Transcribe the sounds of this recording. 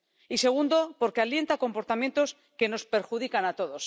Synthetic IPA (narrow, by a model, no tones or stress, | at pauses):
ise̞ɣ̞und̪o̞po̞ɾke̞alje̞nt̪ako̞mpo̞ɾt̪amje̞nt̪o̞s | ke̞no̞spe̞ɾxuð̞ikanat̪o̞ðo̞s